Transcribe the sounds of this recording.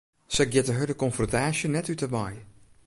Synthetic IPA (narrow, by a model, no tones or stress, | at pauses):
səɡɛtəɦədəkɔnfrɔntaːʃənɛtytəmaj